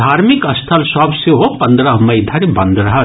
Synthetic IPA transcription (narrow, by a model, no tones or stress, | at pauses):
d̪ʱaːɾmikɐst̪ʰɐlsɔbseɦopɐnd̪ɾɐɦmɐjd̪ʱɐɾibɐnd̪ɾɐɦɐ